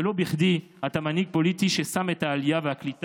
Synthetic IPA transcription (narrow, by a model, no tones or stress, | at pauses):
elo̞biχd̪i | at̪amaniɡ̚po̞lit̪iʃesamet̪haːlijaveaklit̪